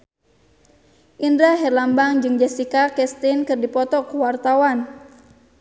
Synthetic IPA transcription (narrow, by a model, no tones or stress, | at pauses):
ʔindɾaɦɛlambaŋd͡ʒɨŋd͡ʒɛsikakɛst̪inkɨrdipɔt̪ɔkuwart̪awan